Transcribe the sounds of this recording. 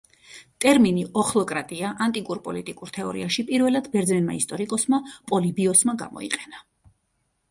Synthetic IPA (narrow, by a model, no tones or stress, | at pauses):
t̪ʼɛɾminiʔɔχlɔkʼɾat̪ʼiaʔant̪ʼikʼuɾpʼɔlit̪ʼikʼuɾt̪ʰɛɔɾḭaʃipʼiɾvɛlad̪bɛɾd̪zɛnma̰ist̪ʼɔɾikʼɔsmapʼɔlibiɔsmaɡa̰mɔ̰ḭqʼɛna